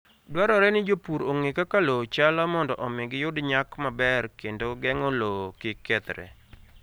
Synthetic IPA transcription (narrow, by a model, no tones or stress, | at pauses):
dwaɾɔɾɛnɪd͡ʒopuɾoŋekakalot͡ʃalɔmɔndɔʔɔmɪɡɪjʊdɲakmabɛrkendoɡɛŋolokɪkːɛt̪ɾɛ̰